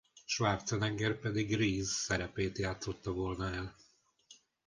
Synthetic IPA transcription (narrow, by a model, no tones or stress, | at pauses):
ʃʋaːrt̪sɛnɛŋɡɛrpɛd̪iɡriːzsɛɾɛpeːt̪jaːt̪so̞t̪ːɒvoːlnɒɛl